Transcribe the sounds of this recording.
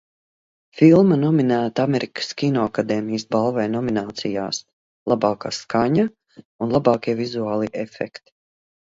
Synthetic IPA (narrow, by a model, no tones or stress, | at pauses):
filˠmanɔminæːt̪aamɛɾikə̥skʲinɔakad̪ɛːmijəsbalˠvɛjnɔminaːt̪sija̰ːs | lˠabaːkaːskaɲa | unlˠabɑːkʲiɛvizuaːlˠiʔɛfɛ̰kt̪